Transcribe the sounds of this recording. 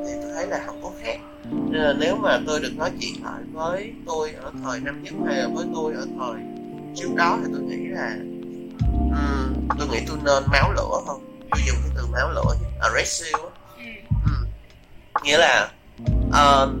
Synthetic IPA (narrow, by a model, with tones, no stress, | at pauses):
t̪ʰi˨˩t̪o˧jt̪ʰə˨˦jlaː˨˩ha˨˩wk͡p̚k̪o˨˦xaː˦˥k̚ | ɲ˧zəː˨˩ne˨˦wmaː˨˩t̪o˧jɗɨ˨˩ək̚nɔ˨˦jt͡ɕḭ˧˨ənlə̰ː˧˨jvəː˨˦j | t̪u˧jʔəː˧˩t̪ʰəː˨˩jna˧mɲə˦˥t̚ha˧jʔə̰ː˧˩vəː˨˦jt̪u˧jʔəː˧˩t̪ʰəː˨˩j | t͡ɕi˨˦əwka˧wt̪ʰi˨˩t̪u˧jŋḭ˧˥laː˨˩ | ʔɨ˨˩t̪u˧jŋḭ˧˥t̪u˧jnə˧nmaː˨˦wlɨ̰˧˥əhə˧nt͡ɕu˧zʊ̰˨˩ŋ͡m̚k̪i˨˧˦t̪ɨ˨˩maː˨˦wlɨ̰˧˥əi˧ʔəː˧˩zɛ˦˥si˧wʔ | ʔɨ˨˩ | ŋḭ˧˥əlaː˨˩ | ʔəː˨˩